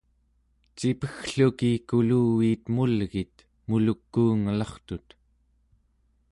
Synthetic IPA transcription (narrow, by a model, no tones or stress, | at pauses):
t͡ʃipəxɬukikuluːiːt̪mulɣit̪ | mulukːuːŋalɑχt̪ut̪